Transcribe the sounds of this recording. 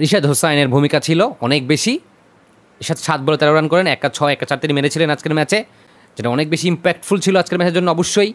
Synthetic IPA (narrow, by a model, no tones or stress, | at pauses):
ɾiʃad̪ɦosajneɾbʱumikat͡ɕʰiloɔnek̚beʃi | iʃad̪ʃat̪̚bɔlot̪ɛɾaɾankɔɾenɛk̚ːat͡ɕʰɔeɛk̚ːat͡ɕaɾt̪inimeɾet͡ɕʰilenad͡ʑkeɾmɛt͡ɕe | d͡ʑeʈaɔnek̚beʃiimpɛk̚ʈfult͡ɕʰiload͡ʑkeɾmɛt͡ɕeɾd͡ʑonːoɔboʃːoj